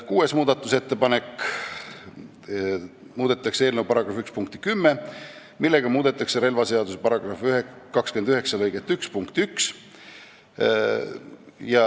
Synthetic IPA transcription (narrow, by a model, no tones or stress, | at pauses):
kuːe̞smuːd̪̥ɑt̪ːˑuse̞t̪ːe̞pɑnekː | muːd̪̥e̞t̪ːˑɑkse̞ːlnewpɑɾɑɡ̥rɑfykspuŋk̚t̪i̥kymːe | milːeɡ̥ɑmuːd̪̥e̞t̪ːˑɑkseɾe̞lvɑse̞ɑd̪usepɑɾɑɡ̥rɑfyɦekːɑkskyend̪yhɦe̞ksɑlɤjɡet̪ːykspuŋkt̪yks | jɑ